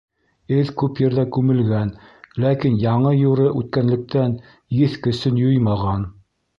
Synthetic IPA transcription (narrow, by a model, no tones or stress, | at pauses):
ɘðkʉpjɘ̆ɾðækʉmɘ̆lɡænlækinjɑɴɤjuɾɤʔʉt̪̚kænlɘ̆k̚t̪æn | jɘθkɵ̆sɵnjojmɑʁɑn